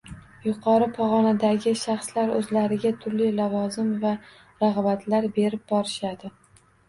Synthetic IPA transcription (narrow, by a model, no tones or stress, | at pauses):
jʊqʰɒɾɪpʰɒʁɒnad̪aɡʲɪʃaχslaɾɵzlaɾɪɡʲat̪ʰʊɾlilavɒzɪmva | ɾaʁɑbat̪ʰlaɾbe̞ɾɪp̚bɒɾɪʃad̪ɪ